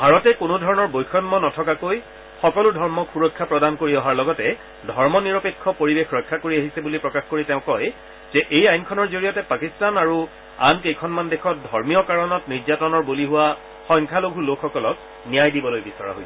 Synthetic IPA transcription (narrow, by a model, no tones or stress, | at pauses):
bʱaɹɔtɛkʊnʊdʱɔɹɔnɔɹbojkʰɔmːɔnɔtʰɔkakoj | xɔkɔlʊdʱɔɹmɔkxuɹɔkʰːapɹɔdankoɹiɔɦaɹlɔɡɔtɛ | dʱɔɹmɔniɹɔpekʰːɔpoɹibexɹɔjkʰːakoɹiaɦisɛbulipɹɔkaxkoɹitɛʊ̃kɔj | z̥ɛʔejajnkʰɔnɔɹzoɹijɔtɛpakistanaɹu | a̰nkejkʰɔnmandekʰɔt̚dʱɔɹmijɔkaɹɔnɔtniɹzatɔnɔɹbuliɦʊwa | xɔŋkʰaloɡʱulokʰːɔkɔlɔt̚ | nijajdibɔlojbisɔɹa̰ɦojsɛ